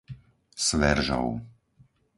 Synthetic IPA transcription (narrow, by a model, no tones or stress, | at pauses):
sʋɛɾʒa̰w